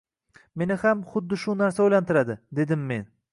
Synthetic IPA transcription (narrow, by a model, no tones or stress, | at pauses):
me̞nɪhamχʊd̪ːɪʃʊnaɾsaojlant̪ʰɪɾad̪ɪd̪e̞d̪ɪmːe̞n